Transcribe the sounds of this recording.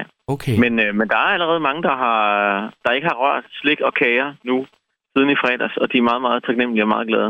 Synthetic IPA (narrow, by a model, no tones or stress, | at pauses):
okʰemenmend̥ɑ̈æɐæləʁɛːð̞̩ˠmɑ̈ŋəd̥ɑ̈ɦɑ̈d̥ɑ̈e̝ɡ̥əhɑ̈ʁɶɐ̰d̥sle̝ɡ̥̚d̥ɒ̽kʰɛːɪɐnu | sið̞ˠn̩ifʁɛ̰ːd̥æsɒ̽d̥iæɐmɑ̈ːð̩ˠmɑ̈ːð̞̩ˠt͡sʰɑ̈ɡ̥nem̰l̩iɒmɑ̈ːðˠɡ̥lɛːðˠə